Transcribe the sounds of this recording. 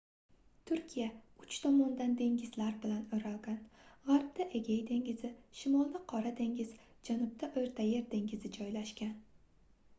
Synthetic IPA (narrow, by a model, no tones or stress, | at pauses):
t̪ʰʊɾkʲʰijaʊt͡ʃt̪ʰɒmɒnd̪and̪e̞ŋɡʲɪzlaɾbɪlanɵɾalˠɡʲanʁaɾp̚d̪̥aʔe̞ɡʲajd̪e̞ŋɡʲɪzɪʃɪmɒlˠd̪aqʰɒɾad̪e̞ŋɡʲɪz | d͡ʒanʊb̚t̪ʰaʔɵjɾt̪ʰajeɾd̪e̞ŋɡʲɪzɪd͡ʒɒjlaʃkʲan